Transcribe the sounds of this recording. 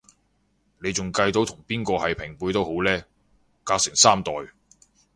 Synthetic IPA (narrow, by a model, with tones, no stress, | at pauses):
ne˨˧jt͡sʊ˨ŋkɐ˧jt̪o˨˥wt̪ʰʊ˨˩ŋpiː˥nkɔː˧hɐ˨jpʰɪ˨˩ŋpuː˨˧jt̪o˥who˨˥wlɛː˥ | kaː˧k̚sɪ˨˩ŋsaː˥mt̪ɔː˨j